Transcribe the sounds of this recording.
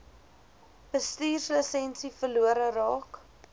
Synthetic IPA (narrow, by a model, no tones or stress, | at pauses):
b̥əstiːrsləsɛnsifəluəɾərɑːk